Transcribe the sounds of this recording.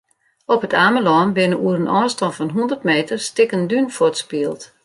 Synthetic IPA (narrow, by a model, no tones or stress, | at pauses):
ɔpətʰaːməlɔːnbɪnəuəɾənʔɔːstɔnfɔnɦundərtmeːtərstɪkəndynfotspiəlˠt